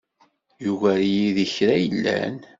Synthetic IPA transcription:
juɣæɾjiðəçɾæjəlːæ̰n

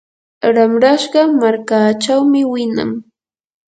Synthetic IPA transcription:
ɾamɾaʃɢɑmaɾkaːt͡ʃawmɪwɪna̰ŋ

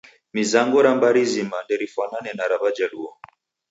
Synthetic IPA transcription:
mizaŋɡɔɾambaɾizimandɛɾifananɛnaɾaβad͡ʒaluɔ

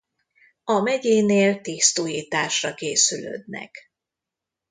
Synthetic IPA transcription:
ɒmɛɟeːneːlt̪iːst̪oːjiːt̪aːʃrɒkeːsylø̰d̪nɛ̰k

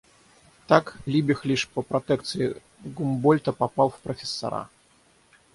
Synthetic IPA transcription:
t̪aklʲibʲixlʲiʂpɐpɾat̪ɛkt̪sɨjḭ | ɡumbɔlʲt̪ɐpapawwpɾɐfʲɛsːa̰ɾa̰

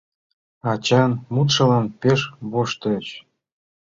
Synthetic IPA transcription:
ɑt͡ɕɑnmut̪ʃɤ̆lɑnpeʃβoʃt̪ɤt͡ɕ

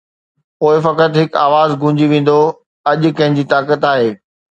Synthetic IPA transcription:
poːɪfɐkət̪ɦɪka̰ːʋaːzɡʱʊ̃d͡ʑiʋẽːn̆d̪o | ɐʄʊ̆kɐ̃ɦɪ̃ɲd͡ʑiːt̪aːkət̪aːɦeː

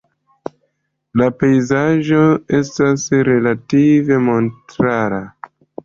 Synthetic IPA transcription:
lape̞jzaʒo̞e̞stasɾe̞lative̞mo̞ntɾaɾa

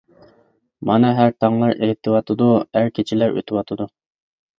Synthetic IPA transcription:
mɑnɨɦæɾt̪ʰɑŋlˠɑɾʔeɦt̪ʰɨwɑt̪ʰɨd̪uæɾkʲʰet͡ʃʰɪlæɾø̰t̪ʰɪwɑt̪ʰɨd̪u

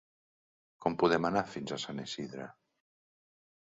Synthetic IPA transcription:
kɔmpuðemanafinzasanesiðɾa̰

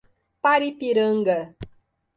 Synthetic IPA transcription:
paɾipiɾəŋ̩ɡə

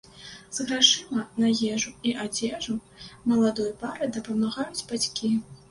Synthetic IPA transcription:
z̥ɣɾaʂɨmɐnajɛʐuiʔad͡zʲɛʐu | mɐlˠad̪ɔjɐpaɾɨd̪ɐpɐmaɣajud͡zʲbat͡sʲkʲi

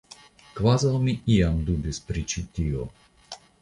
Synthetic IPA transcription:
kvazalmiiamd̪ud̪ispɾit͡ʃit̪iɔ

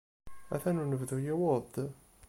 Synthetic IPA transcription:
æ̰θænunəvðujæwoɾˤd̪

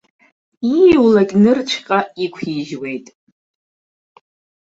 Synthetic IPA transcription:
iwlakʲʼnɨrt͡ʃʷʰqʼaikʷʰiʒwe̞jtʼ

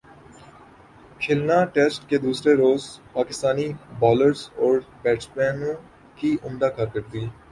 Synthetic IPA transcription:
kʰɪlnãːʈeːsʈkeːd̪uːsɾeɾoːzpaːkɪst̪aːnibɔːləɾzɔːɾbɛːʈspɛ̃ːnːũː | kiːʔʊmd̪aːkəɾkəɾd̪iː

